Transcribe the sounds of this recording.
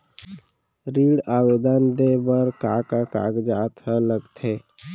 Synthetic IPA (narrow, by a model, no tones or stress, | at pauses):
ɾiɽaːbed̪ənd̪ebəɾkakaka̰ɡd͡ʒaːt̪ələɡt̪ʰe